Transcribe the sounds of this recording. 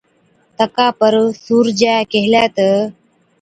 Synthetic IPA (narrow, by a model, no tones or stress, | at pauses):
t̪əkapəɾsuːɾd͡ʑakeɦljat̪ə